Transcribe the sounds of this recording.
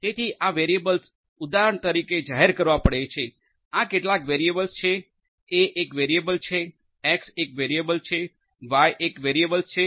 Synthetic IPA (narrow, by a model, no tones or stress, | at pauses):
t̪et̪ʰiʔaʋeɾiebəls | ud̪aɾəɳt̪əɾiked͡ʒaɦeɾkəɾʋãpəɽet͡ʃʰe | akeʈlakʋeɾiebəlst͡ʃʰe | eʔekʋeɾiebəlt͡ʃʰe | ɛksekʋeɾiebəlt͡ʃʰe | ʋajʔekʋeɾiebəlst͡ʃʰe